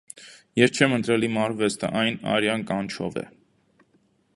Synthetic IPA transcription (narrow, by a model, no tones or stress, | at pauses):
jɛɾt͡ʃʰɛmənt̪ɾɛlimɑɾvɛst̪ʰə̰ʔɑjnɑ̰ɾjɑnkɑnt͡ʃʰɔ̰vɛ̰